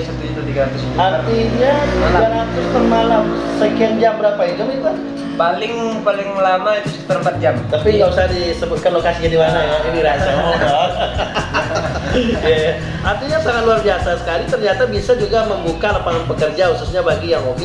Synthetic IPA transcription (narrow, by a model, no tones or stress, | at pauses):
sət̪iit̪udiɡɾant̪ɪsit̪art̪iɲauaaat̪ʊst̪anmalam | səkiamd͡ʒambəɾapait̪ud͡ʒuba | palɪŋpalɪŋlanait̪usəki̥t̪aɾəmpat̪̚d͡ʒamt̪apiŋɡausaɦadisəbʊt̪̚kanlokasid͡ʒadiwanaainiɾasat̪ɔ | jaja | art̪iɲasaŋat̪luarbiasasə̥kalit̪ərɲat̪abisad͡ʒuɡaməmbukalapaŋanpəkərd͡ʒahususɲabaɡijaŋomi